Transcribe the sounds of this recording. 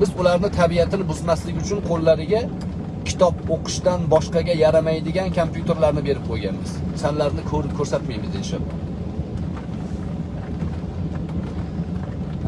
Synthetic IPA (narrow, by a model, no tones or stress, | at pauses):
bɪzʊlaɾnɪt̪ʰabiat̪ʰɪnɪbʊzmaslɪɡʲʊt͡ʃʰʊnqʰolˠːaɾɪɡʲa | kʲʰɪ̥t̪ʰɒp̚oqʰɨ̥ʃt̪anbɒʃqɑɡʲajaɾamajd̪ɪɡʲankʰompjut̪ʰe̞ɾlaɾnɪbe̞ɾɪp̚qʰojɡʲa̰nbɪz̥sanlaɾnɪkʰɵɾɪp̚kʰɵɾsat̪majmɪzelʃabɒ̰